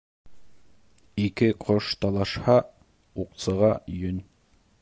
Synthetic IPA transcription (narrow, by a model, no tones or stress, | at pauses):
ikɘqʰoʃt̪ɑlˠɑʃhɑ | uqsɤ̆ʁɑjɵnʲ